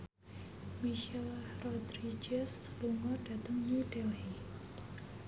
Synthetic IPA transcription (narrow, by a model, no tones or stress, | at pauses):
miʃɛlrɔd̪ɾid͡ʒɛsːluŋɔɖ̥at̪əŋnuɖɛlhi